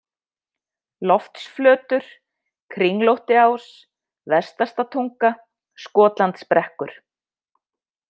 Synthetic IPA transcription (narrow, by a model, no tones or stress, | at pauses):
lɔft̪sflœːt̪ʏɾ̥ | kʰɾiŋlowht̪ɪaws | vɛst̪ast̪at̪ʰuŋka | skɔːt̪lant̪spɾɛhkʏɾ̥